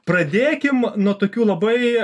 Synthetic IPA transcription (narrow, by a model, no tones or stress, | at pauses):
pɾɐd̪ʲeːkʲɪmnuɔt̪oːkʲuːlˠɐbɐɪ